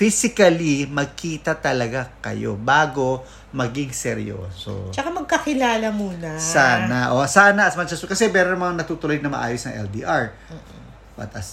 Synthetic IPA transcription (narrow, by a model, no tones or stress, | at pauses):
fisɪkɐlimɐɡ̚kʰiːt̪ɐt̪ɐlɐɡakɐ̰jo̞̰baːɡo̞ | mɐɡɪŋsɛɾɪ̰jo̰ːso̰t͡ʃɐkamɐɡ̚kɐkɪlaːlɐmuːnɐsaːnɐʔosaːnɐʔɐsmɐnt͡ʃɛsokɐsɛmɛːɾonmɐŋanɐt̪uːt̪ʊlojnɐmɐ̰ʔa̰ːjosnɐ̰ŋʔɛ̰ld̪ḭːʔaɹː | bɐ̰t̪ʔɐs